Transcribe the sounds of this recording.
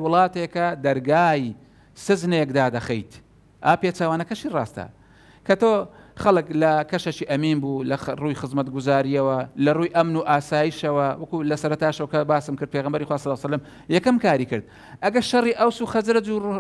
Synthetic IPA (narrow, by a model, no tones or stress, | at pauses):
wʊlˠɑːt̪ekɐd̪ɐɾɡaːj | sɨznekd̪aːd̪ɐxɐjt̪ | ʔaːpet͡ʃaːwaːnɐkɐʃiːrɑ̰ːst̪ɐ̰ | kʰɐt̪oːxɐlˠɨklɐkɐʃɐt͡ʃiːʔɐmiːnbulɐruːjxɨzmɐt̪ɡuzaːɾijɐwɐlɐruːjʔɐmnuʔaːsaːjiʃɐwɐwɐkulɐsɐɾɐt̪aːʃɐwɐkɐbaːsɨmkɨɾd̪̚pʰeːɣɐmbɐɾiːxwaːsɐlːsɐlːɐm | jɐkɐmkaːɾiːkɨɾd̪̚ | ʔɐɡɐɾʃɐriːʔɐwsuːxɐzɾɐd͡ʒu